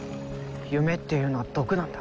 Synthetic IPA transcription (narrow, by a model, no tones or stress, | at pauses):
jɯme̞t̪ːejɯ̟noad̪̥o̞kɯnãnd̪ḁ